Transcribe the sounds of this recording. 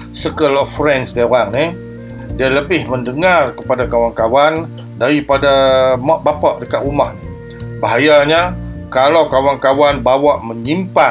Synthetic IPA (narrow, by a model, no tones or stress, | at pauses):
səkəlɔfɾɛnsdaoɾaŋni | dialəbɪhməndəŋarkəpadakawankawan | daɾipadamaʔbapaʔdəkaʔumahnɪ | baɦajaɲakalawkawankawanbawaʔməɲimpa